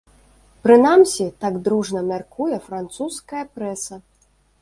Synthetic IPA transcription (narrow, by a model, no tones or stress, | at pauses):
pɾɨnamsʲit̪aɡd̪ɾuʐnɐmʲarkujɛfɾant̪suskɐjɐpɾɛsɐ